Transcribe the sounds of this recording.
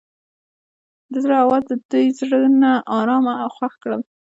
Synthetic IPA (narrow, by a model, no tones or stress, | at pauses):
d̪əzɾɑwald̪əd̪ujzɽənaʔɑɾɑmaawxwaxkɽəl